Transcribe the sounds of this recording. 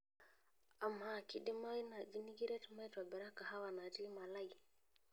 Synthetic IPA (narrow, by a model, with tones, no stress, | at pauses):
a˨mːa˦˨ki˨ɗɪ˦ma˦i˦na˨d͡ʒi˦ni˦ɡi˦ɾɛ˦tma˦twa˨bɛ˨ɾa˦ka˨ɦa˦wa˨na˨ti˦ma˨la˦i˨